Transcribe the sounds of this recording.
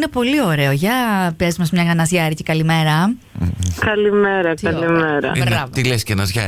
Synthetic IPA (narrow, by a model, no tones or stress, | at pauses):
ine̞po̞lio̞ɾe̞oʝɐpiɐzmɐsmɲɐɣɐnɐzʝɐɾicekɐlime̞ɾɐ | kɐlimeɾɐkɐlimeɾɐ̰iɾɐt̪ilescɐnɐzʝɐ̰